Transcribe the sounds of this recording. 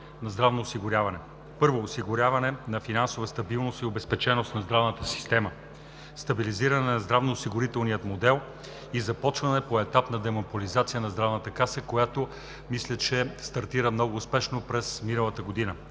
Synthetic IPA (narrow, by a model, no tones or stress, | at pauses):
nɐzd̪ɾavnoːsiɡʊɾʲjavɐnɛ | pɤɾvoːsiɡʊɾʲavɐnɛnɐfinansovəst̪ɐbilˠnost̪iobɛspɛt͡ʃɛnost̪nɐzd̪ɾavnət̪əsi̥st̪ɛmə | st̪ɐbiliziɾɐnɛnɐzd̪ɾavnoːsiɡʊɾit̪ɛlˠnijət̪mod̪ɛlˠ | izɐpɔt͡ʃvɐnɛpoɛt̪apnɐd̪ɛmɐpolizat̪sijənɐzd̪ɾavnət̪əkasəkojat̪o | mislʲət͡ʃɛst̪ɐɾt̪iɾəmnɔɡʊːspɛʃnopɾɛsminɐlˠɐt̪əɡod̪inə